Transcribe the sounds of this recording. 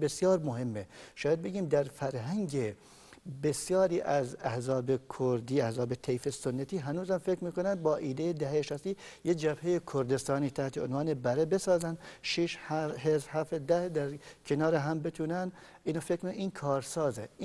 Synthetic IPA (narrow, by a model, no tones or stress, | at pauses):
besjɒːɾmoɦemːeʃɑːjæd̪̚be̞ɡiːmd̪æɾfæɾɦæŋɟe | besjɒːɾiːʔæzæhzɒːbekʰoɾd̪iːæhzɒːbet̪ʰejfesonːæt̪ʰiːɦænuːzhæmfekɾmiːkonænd̪̚bɒːʔiːd̪ejed̪æɦejeʃæst̪iːjed͡ʒæbhejekʰoɾd̪est̪ɒːniːt̪ʰæht̪ʰeonvɑːnebæɾebesɒːzænd̪ʃiʃhɦezɾhæfd̪æhd̪æɾkʰenɒːɾeɦæmbet̪ʰuːnænd̪ | iːnɑːfekɾmikiːnkʰɒːɾsɒːze